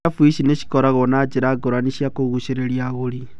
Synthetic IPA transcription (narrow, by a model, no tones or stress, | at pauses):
afwisineʃi̥kɔɾaɣɔnad͡ʒeɾaɡoɾaniʃiakoɣuʃeɾeɾjaɣoɾi